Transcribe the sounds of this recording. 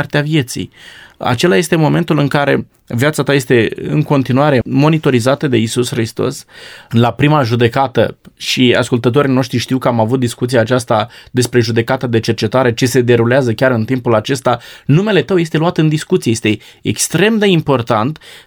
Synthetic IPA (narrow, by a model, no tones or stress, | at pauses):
rt̪eavije̞t̪sḭja̰t͡ʃe̞laje̞st̪e̞mo̞me̞nt̪ulɨŋkaɾe̞̰ | vijat̪sat̪aje̞st̪e̞ɨ̰ŋko̞nt̪inuaɾe̞mo̞nit̪o̞ɾizat̪əd̪e̞isusxɾist̪o̞̰slapɾimaʒud̪e̞kat̪ə̰ʃia̰skult̪ət̪̬o̞ɾino̞ʃt̪ɾiʃt̪iwkəamavut̪̚d̪iskut̪siaːt͡ʃast̪ad̪e̞spɾe̞ʒud̪e̞kat̪əd̪e̞t͡ʃe̞rt͡ʃe̞t̪aɾe̞t͡ʃe̞se̞d̪e̞ɾuleazəkʲaɾɨnt̪impulat͡ʃe̞st̪anume̞le̞t̪əwjest̪e̞luat̪ɨnd̪iskut̪siejest̪e | ḛkst̪ɾe̞md̪e̞impo̞rt̪ant̪